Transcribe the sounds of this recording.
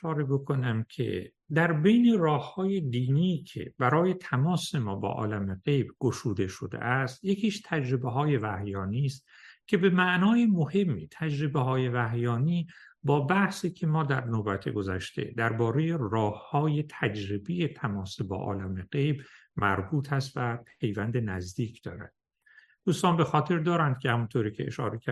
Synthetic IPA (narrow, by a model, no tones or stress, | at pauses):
ʃɒːɾebokʰo̞næmcʰḛ | d̪æɾbe̞jne̞rɒːhhɒːje̞d̪iːniːcʰḛb̥æɾɒːje̞t̪ʰæmɒːse̞mɒːbɒ̰ːʔɒ̰ːlæmeɡe̞jbɡ̥oʃuːd̪e̞ʃo̰d̪ḛʔæst̪jecʰiːʃt̪ʰæd͡ʒɾebeɦɒːje̞væhjɒːniːst̪ | cʲʰe̞bemæʔnɒːjemohe̞mːḭːt̪ʰæd͡ʒɾe̞beɦɒːje̞væɦjɒːniː | bɒːbæhsiːcʰemɒːd̪æɾnoːbæt̪ʰḛɡozæʃt̪e̞̰d̪æɾbɒːɾe̞je̞rɒːhːɒːje̞t̪ʰæd͡ʒɾebeje̞t̪ʰæmɒːsibɒ̰ːʔɒ̰ːlæmeɡejbmæɾbuːt̪ʰæst̪væpʰe̞jvænd̪e̞næzd̪iːcʰd̪̥ɒ̰ːɾæ̰d̪̥̚ | d̪̥uːst̪ɒːnbe̞xɒːt̪ʰe̞ɾd̪ɒːɾænd̪̥̚cʰehæmunt̪ʰoːɾiːcʰeḛʃɒ̰ːɾeæ